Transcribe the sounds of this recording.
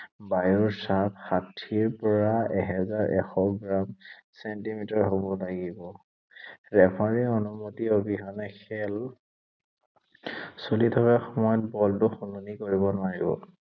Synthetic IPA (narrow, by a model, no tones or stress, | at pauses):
bajɔɹsapxatʰiɹpɔɹaɛɦɛzaɹʔɛ̰xɔɡɹamsɛntimitaɹɦobɔlaɡibɔ | ɹɛpʰaɹionumotiobʱiɦɔnɛkʰɛl | solitʰɔkɛxɔmɔjɔt̚bɔltʊxununikoɹibɔnʊaɹibɔ̰